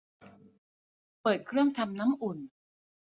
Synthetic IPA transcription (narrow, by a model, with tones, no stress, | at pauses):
pɤː˨˩t̪̚kʰɾɯ˥˩əŋt̪ʰa˧mna˦˥mʔu˨˩n